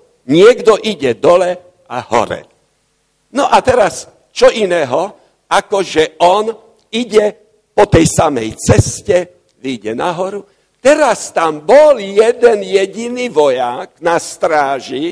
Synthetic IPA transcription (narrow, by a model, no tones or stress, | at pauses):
ɲɪɛɡd̪ɔʔiɟɛd̪ɔlɛ | ahɔ̰ɾɛ̰ | nɔʔat̪ɛɾas | t͡ʃɔʔinɛːɦɔ | akɔʒɛɔn | iɟɛ | pɔt̪ɛjsamɛ̰jt͡sɛscɛ | ʋiɟɛnaɦɔɾu | t̪ɛɾast̪ambɔljɛd̪ɛnjɛɟiniʋɔjaɡnast̪ɾaːʒi